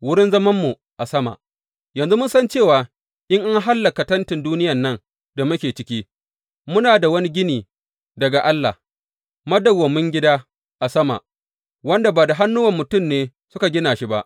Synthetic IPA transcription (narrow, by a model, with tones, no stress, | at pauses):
wʊ˦ɽɪ˦nzɐ˦mɐ˦mːu˨ | ʔa˨sɐ˦ma̰˨ʔ | jɐ˨nzu˦mʊ˦nsɐ˦nt͡ʃeː˦˨waː˨ | ʔɪ˦ŋʔa˦ŋɦa˦lːɐ˨ka˨tɐ˦ntɪ˨nduː˦nɪ˦jɐ˨nːɐ˦˨n | da˨mʊ˦kʲeː˨t͡ʃɪ˦kʲiː˦ | mʊ˦naː˨da˨wɐ˦ni˦ɡʲɪ˦niː˨ | dɐ˨ɡa˨ʔa˦lːa̰˨h | mɐ˦dɐ˨wɐ˨mːʊ˦ŋɡʲɪ˦daː˦ | ʔa˨sɐ˦ma̰˨ʔ | wɐ˦nda˨baː˨da˨ɦa˦nːʊ˦wɐ˦˨mːʊ˨tʊ˦˨mneː˦ | sʊ˦ka˨ɡʲɪ˦naː˨ʃi˦ba˦ʔ